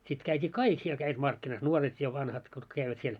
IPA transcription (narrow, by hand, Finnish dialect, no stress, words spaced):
sit kæitʲi kɑik siel kæiʋæt mɑrkːinɑs nuoret jɑ ʋɑnhɑt kutk kæiʋæt siel